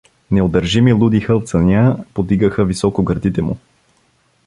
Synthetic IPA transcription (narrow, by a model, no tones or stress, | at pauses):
nɛod̪əɾʒimilˠud̪ixət̪sɐnʲapod̪iɡəxəvisɔkoɡəɾd̪it̪ɛmṵ